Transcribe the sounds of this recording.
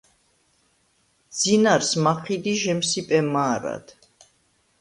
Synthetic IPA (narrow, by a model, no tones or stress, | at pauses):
d̪z̥inaɾsmaqʰid̪iʒɛmsipʼɛmaːɾa̰d̪̥